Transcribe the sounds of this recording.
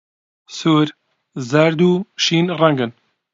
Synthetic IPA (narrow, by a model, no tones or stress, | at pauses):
suːɾ | zɐɾd̪uːʃiːnrɛŋɡɨn